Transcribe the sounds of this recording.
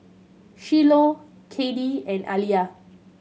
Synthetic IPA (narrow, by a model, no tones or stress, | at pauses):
ʃilo | kʰediɛ̃na̰lia